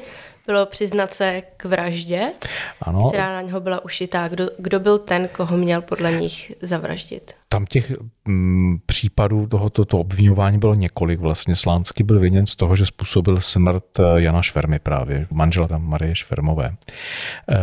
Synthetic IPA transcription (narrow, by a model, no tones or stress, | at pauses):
b̥ɪlopr̝̥ɪznat̪sɛkvɾaʒɟɛʔa̰not̪ɛɾɾaːnaɲɦobɪlaʔuʃɪt̪aːɡdoɡdobɪlt̪ɛnkoɦomɲɛlpo̞dlɛɲɪxzavɾa̰ʒɟɪ̰t̪t̪amcɛx | pr̝̥iːpaduːt̪oɦot̪ot̪oʔobvɪɲo̞vaːɲiːbɪloɲɛko̞lɪkvlast̪ɲɛslaːnt͡skɪbɪlvɪɲɛnst̪o̞ɦoʒɛspuːso̞bɪlsmr̩t̪janaʃfɛɾmɪpɾa̰ːvjɛmanʒɛlamaɾɪjɛʃfɛ̰ɾmovɛ̰ː